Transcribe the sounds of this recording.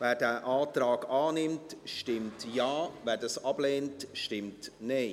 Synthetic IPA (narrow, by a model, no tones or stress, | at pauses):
vɛːɾdɛːʔaːtɾaːɡaːnɪmtʃtɪmtjaːvɛːɾdɑsɑb̥leːntʃtɪmtne